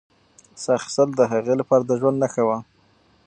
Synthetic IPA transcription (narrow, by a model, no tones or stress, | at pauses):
saxsəld̪əɦaɣelapɑɾad̪əʒwand̪naxawa